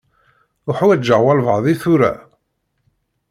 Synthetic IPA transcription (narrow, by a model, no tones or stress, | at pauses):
ʊħuwæd͡ʒəʕwɑlvəʕðˤiθʊɾæ̰